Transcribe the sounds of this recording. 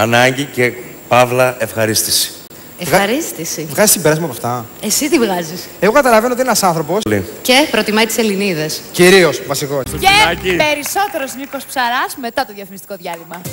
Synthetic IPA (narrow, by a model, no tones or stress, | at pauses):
ɐnɐɲɟice̞ | pɐvlɐefxɐɾist̪i̥si̥ | evɣɐɾist̪isivɣɐzist̪ibeɾɐzmɐpɐft̪ɐesit̪ivɣɐziseɣo̞kɐt̪ɐlɐvenot̪inenɐsɐnθɾo̞po̞slicepɾo̞t̪imɐit̪i̥se̞liniðesciɾio̞svɐsikoecipe̞ɾiso̞t̪eɾosnikospsɐɾɐsmet̪ɐt̪oðʝɐfinist̪iko̞ðʝɐðimɐ